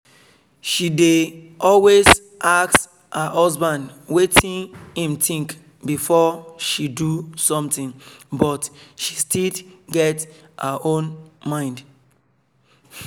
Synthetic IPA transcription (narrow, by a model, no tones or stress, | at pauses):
ʃide | ʔɔlwez | ʔaks | həhɔzbãndwetʰĩnhĩmtĩŋk | bifɔʃidusɔ̃mtĩŋbɔtʃi̥stiɡɛthəʔõnmãɪ̃nd